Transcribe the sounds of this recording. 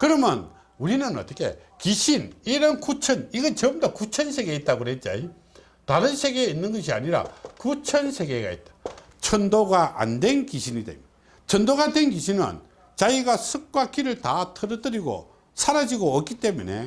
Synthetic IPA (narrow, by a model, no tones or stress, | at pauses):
kɯɾʌmjʌ̰n | uɾinɯnʌ̰t͈ʌkʰe̞̰ | kiɕʰiniɾʌnkut͡ɕʰʌniɡʌnt͡ɕʌmdʌkut͡ɕʰʌns̬ʰe̞ɡe̞it̚t͈aɡoɾet̚t͡ɕ͈a̰i | taɾɯnsʰe̞ɡe̞inːɯnɡʌɕ̬ʰia̰ɲiɾa̰kut͡ɕʰʌnsʰe̞ɡe̞ɡa̰ḭt̚t͈ḁ | t͡ɕʰʌndoɡaʔa̰ndwe̞nkiɕʰinit̪ḛm | t͡ɕʰʌndoɣadwenkiɕʰinɯ̰n | t͡ɕaiɡasʰɯk̚k͈wak͈iɾɯɭtatʰʌɾʌdɯɾiɡo̰ | sʰaɾad͡ʑiɡoʌk͈it͈e̞munḛ